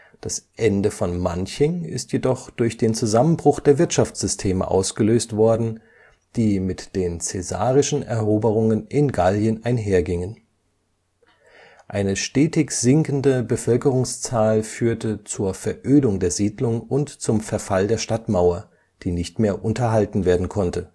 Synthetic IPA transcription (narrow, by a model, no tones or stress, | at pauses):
d̥asʔɛndəfɔnmançɪŋɪ̰stjedɔχd̥ʊɐçd̥eːnt͡suzamənbʁʊχd̥eːɐvɪɐtʃaft͡sz̥ʏstʰeːmə̰ʔa̰ʊsɡ̥əløːstv̥ɔɐdn̩ | d̥iːmɪtd̥eːnt͡sɛza̰ːʁɪʃn̩ʔɛɐʔoːbəʁ̞ʊŋənʔɪnɡaljənʔaɪnɦeːɐɡɪŋən | ʔaɪnəʃtɛːtɪçz̥ɪŋkn̩dəbəfœlkəʁ̞ʊŋst͡saːlfyːɐtət͡suːɐfɛɐʔøːdʊŋdeːɐziːdlʊŋʊntt͡sʊmfɛɐfaldeːɐʃtatmaʊɐ | d̥iːnɪçtmeːɐʔʊntɐɦaltn̩veːɐdn̩kʰɔntə